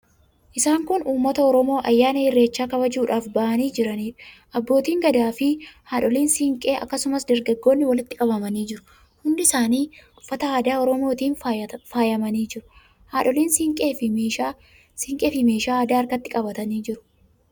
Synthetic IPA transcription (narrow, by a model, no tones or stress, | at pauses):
ʔɪsaːŋkʊnuːmːɐt̪ɐɔɾɔmo̞ːʔɐjːaːnɐhɪrːe̞ːt͡ʃːaːkɐβɐd͡ʒuːᶑaːfbɐʔɐniːd͡ʒɪɾɐniːᶑɐ̥ʔɐbːoːt̪iːŋɡɐd̪aːfɪhaːᶑɔliːnsɪŋkʼe̞ːʔɐkːɐsʊmɐsd̪ɐɾɡɐɡːo̞ːnːɪwɐlɪt̪ːɪkʼɐbɐmɐniːd͡ʒɪɾʊ | hʊnd̪ɪɪsaːniːʊfːɐt̪ɐaːd̪aːɔɾɔmoːt̪iːnfaːjɐmɐniːd͡ʒɪɾʊ | haːᶑɔliːnsɪŋkʼeːfː | sɪŋkʼeːfɪme̞ːʃaːaːd̪aːɐɾkɐt̪ːɪkʼɐbɐt̪ɐniːd͡ʒɪɾʊ̥